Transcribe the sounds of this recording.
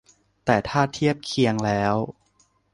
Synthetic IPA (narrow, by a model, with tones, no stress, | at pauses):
t̪ɛː˨˩t̪ʰaː˥˩t̪ʰi˥˩əp̚kʰi˧əŋlɛː˦˥w